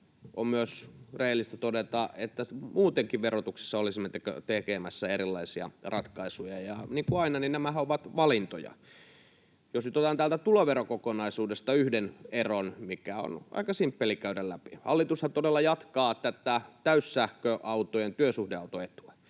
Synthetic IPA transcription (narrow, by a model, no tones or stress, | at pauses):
ʔommyøsrehelːist̪æt̪odet̪ɑet̪ːæmuːt̪eŋkiʋʋerot̪uksi̥sːɑolisimːet̪ekø̰t̪ekemæsːæeɾilːɑisiɑ̰rɑt̪kɑisujɑjɑniːŋkuɑinɑninnæmæhæoʋɑt̪ʋɑlint̪o̰jɑ̰ | josnyt̪ot̪ɑːnt̪ælt̪æt̪uloʋeɾokokonɑisuːdest̪ɑyhdeneronmikæo̰nɑ̰ikɑsimpːelikæydællæpihɑlːit̪ust̪ɑt̪odelːɑjɑt̪kɑːt̪æt̪æt̪æyssæhkøʔɑut̪ojent̪yøsuhdeɑut̪oet̪uæ